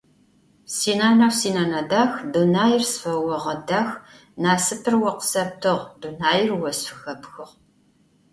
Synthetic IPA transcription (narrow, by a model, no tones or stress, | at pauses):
siːnaːnɐwsiːnɐnɐdaːxdunaːjɪrsfɐwɔʁɐdaːx | naːsɨpʰɨrwɔqə̥sɐp̚tʰɨʁdunaːjɪrwɔsfɨxɐpxɨʁ